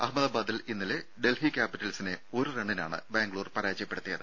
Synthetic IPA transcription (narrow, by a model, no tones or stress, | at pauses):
ɐhmɐðaːbaːd̪ilinːileɖe̞lfikʲaːpiʈːɐlsineo̞ɾureɳɖina̰ːɳɨ̰beːŋɡɭuːrpɐɾaːd͡ʑɐjɐpːe̞ɽut̪ːijɐðɨ